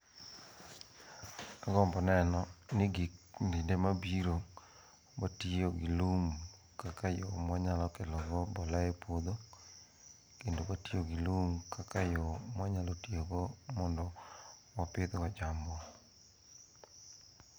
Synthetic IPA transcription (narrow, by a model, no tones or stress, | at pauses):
aɡɔmbɔnɛnɔnɪɡikndindemabiɾo | batioɡɪlum | kakajɔmwaɲalɔkɛlɔɡɔbɔlaɛpwod̪o | kendobatijoɡɪlumkakajɔmwaɲalotieɡomɔndɔwapɪd̪wɔd͡ʒambɔ